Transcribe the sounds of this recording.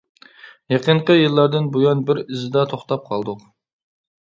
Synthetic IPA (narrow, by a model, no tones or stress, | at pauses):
jeqʰəɴqəjɨlˠːɑɾd̪ɪnbojɑnbɪɾɪzɪd̪ɑt̪ʰoχt̪ɑp̚qʰɑlˠd̪ʊq